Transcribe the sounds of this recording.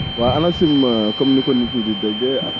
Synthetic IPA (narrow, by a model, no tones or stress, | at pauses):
waanasimakɐmnikonːitudidɐɡɛa̰